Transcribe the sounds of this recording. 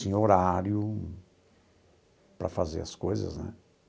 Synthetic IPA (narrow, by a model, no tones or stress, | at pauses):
sĩoɾaɾjʊ | pɾɐfazḛɾɐskojzɐ̰znɛ̰